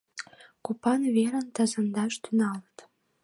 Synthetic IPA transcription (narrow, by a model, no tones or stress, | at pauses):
kupɑnveɾənt̪ə̆zə̆nd̪ɑʃt̪ynɑlət̪